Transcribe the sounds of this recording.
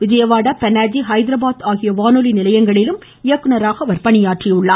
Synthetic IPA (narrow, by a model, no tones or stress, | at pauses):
ʋɪd͡ʒɐjɐʋaːɽɐpɛnaːd͡ʒiɦɐɪd̪ɪɾɐbaːt̪aːɣɪjɐʋaːnolinɪlɐjɐŋɡɐɭɪlɯm | ɪjɐkːɯnɐɾaːɣɐʋɐɾpɐɳɪjaːʈriʊɭːaː